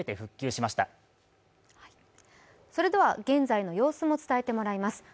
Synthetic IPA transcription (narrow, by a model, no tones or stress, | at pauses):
et̪e̞ɸɯ̟kʲːɨːɕimaɕi̥t̪a̰ | h | so̞ɾe̞d̪e̞βaɡẽ̞nd͡zaino̞jo̞ːsɨmo̞t͡sɨ̥t̪ae̞t̪e̞mo̞ɾaimasɨ̥